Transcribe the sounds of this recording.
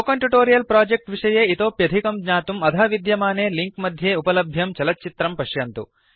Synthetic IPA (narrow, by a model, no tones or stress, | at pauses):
okɐɳʈjuʈoːɾijɐlpɾaːd͡ʒek̚ʈʋiʂɐjeːit̪oːpjɐd̪ʱikɐmɡɲaːt̪umɐd̪ʱaːʋid̪jɐmaːneːliŋkmɐd̪ʱjeːupɐlɐbʱjɐmt͡ʃɐlɐt͡ʃit̪ɾɐmpɐʂjɐnt̪ṵ